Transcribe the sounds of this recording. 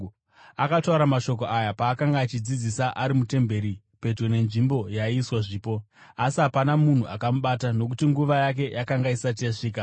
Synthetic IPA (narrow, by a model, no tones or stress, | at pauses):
akatauɾamaʃo̞k̬o̞ʔajapaːkaŋɡaːt͡ʃid͡zid͡zisaʔaɾimute̞mbe̞ɾi | pe̞d͡ʒo̞ne̞nʐimbo̞jaiswaʐiːpo̞ | asiɦapanamun̤uʔakamuɓatano̞k̬utiŋɡuʋajak̬e̞jʔakaŋɡaisat̬ijaʂiːk̬a